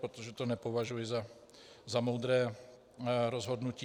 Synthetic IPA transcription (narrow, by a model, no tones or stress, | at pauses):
pɾot̪oʒɛt̪onɛpovaʒujɪza | zamowd̪ɾɛː | ɾozɦod̪nuciː